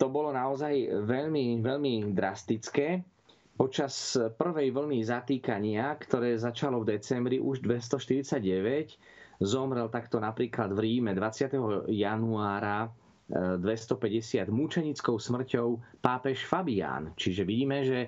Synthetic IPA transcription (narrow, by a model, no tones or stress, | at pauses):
t̪ɔbɔlɔnaɔzajʋɛʎmiʋɛʎmid̪ɾast̪it͡skɛː | pɔt͡ʃaspr̩ʋɛjʋl̩nizat̪iːkaɲɪakt̪ɔɾɛːzat͡ʃalɔvd̪ɛt͡sɛmbɾiʔuʒd̪ʋɛs̬t̪ɔʃt̪iɾit͡saɟɟɛʋɛc | zɔmɾɛlt̪akt̪ɔnapɾiːklad̪vɾiːmɛd̪ʋat͡sɪat̪ɛɦɔjanuaːɾa | d̪ʋɛst̪ɔpɛɟɛsɪad̪mut͡ʃɛɲit͡skɔʊsmr̩cɔʊpaːpɛʃfabia̰ːnt͡ʃiʒɛʋiɟiːmɛʒɛ